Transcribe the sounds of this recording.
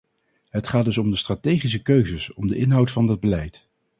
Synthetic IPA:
ɦətχaːdɵsɔmdəstraːtejχis̬əkøɥzəsɔmdəʔɪnɦɑwtfɑndɑd̚bəlɛjt

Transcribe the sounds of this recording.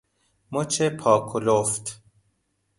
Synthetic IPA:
mot͡ʃʰepʰɒːkʰoloft̪

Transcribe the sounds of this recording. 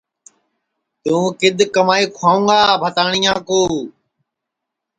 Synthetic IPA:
t̪ũːkɪd̪ʱkəmaːiːkʰwaːũːɡaːbʱət̪aːɳ̃iːãːkoː

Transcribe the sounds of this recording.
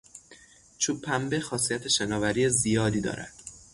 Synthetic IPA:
t͡ʃʰuːpʰːæmbexɒːsijæt̪ʰe̞ʃenɒːvæɾiːezijɒːd̪iːd̪ɒ̰ːɾæ̰d̪̥

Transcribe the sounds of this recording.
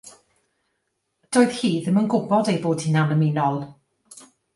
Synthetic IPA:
d̥oːjð̥hiːðəmənɡʊbɔdejboːd̥hɪnanəmɪnɔlˠ

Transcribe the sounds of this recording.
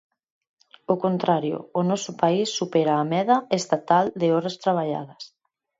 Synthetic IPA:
okont̪ɾaɾjo̰ːnɔsʊpaisːupɛɾaːmɛðɐest̪at̪ald̪eɪɔɾɐst̪ɾaβ̞aʎa̰ðɐs

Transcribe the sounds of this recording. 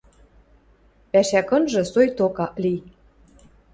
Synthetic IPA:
pæʃækɤ̆nʒɤ̆sojt̪okɑli

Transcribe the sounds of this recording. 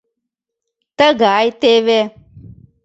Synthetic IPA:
t̪əɡʱaːjt̪eːʋe

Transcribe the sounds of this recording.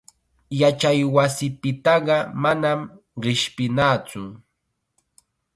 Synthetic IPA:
jat͡ʃajwasɪpɪt̪ɑɢɑmanam | ɢɪʃpɪnaːt͡sʊ

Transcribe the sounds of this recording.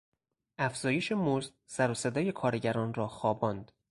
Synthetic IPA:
ʔæfz̥ɒːje̞ʃe̞mozd̪ | sæɾose̞d̪ɒːje̞kʰɒːɾeɟæɾɒːnrɒːxɒːbɒːnd̪

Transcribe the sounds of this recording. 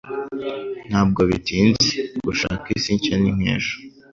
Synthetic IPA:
n̥haːb̚ɡoβitiːnziɡ̥uʃa̰ːkisiːɲt͡ʃaniŋ̥ḛːʃo̥

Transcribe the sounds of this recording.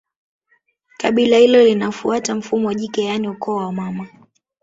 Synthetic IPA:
kaɓilahilɔlinafuatam̩fumɔwʄikɛjaniukɔawamama

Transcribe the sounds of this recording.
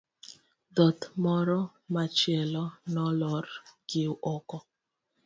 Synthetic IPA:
dɔt̪mɔɾɔ | mat͡ʃɛlɔnɔlɔrkiuʔɔkɔ

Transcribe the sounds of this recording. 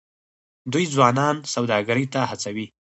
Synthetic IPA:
d̪ujd͡zwɑnɑnsawd̪ɑɡaɾəjt̪ahat͡sawi

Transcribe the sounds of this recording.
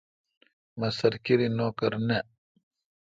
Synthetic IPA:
mɐsɐɾkiɾinoːkɐɾne

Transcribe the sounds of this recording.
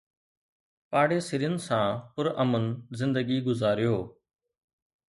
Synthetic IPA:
paːɽeːsɪɾijənɪsãːpʊɾəmənzɪ̃nd̪əɡiːɡʊzaːɾɪjoː

